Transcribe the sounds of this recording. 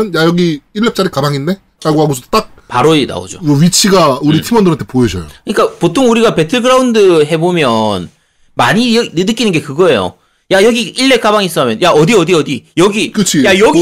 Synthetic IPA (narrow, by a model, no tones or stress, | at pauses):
ɯnjajʌɡiiɭːep̚t͡ɕ͈aɾikabaŋinde̞ | ɾaɭɡoɦaɡosʰʌo̥t͈ak̚paɾoida̰o̰d͡ʑo̰ʌɥit͡ɕʰiɡauɾitʰimʌndɯɾantʰepoed͡ʑʌjokɯɲik͈apotʰoŋuɾiɡape̞tʰɯɭɡɯɾaundɯɦe̞bomjʌn | maɲinɯdɯk͈inɯnɡe̞kɯɡʌe̞jo̰ | jajʌɡiiɭːe̞k͈abaŋis͈ʌmjʌnjaʔʌdiʌdiʌdijʌɡikɯt͡ɕʰijajʌɡi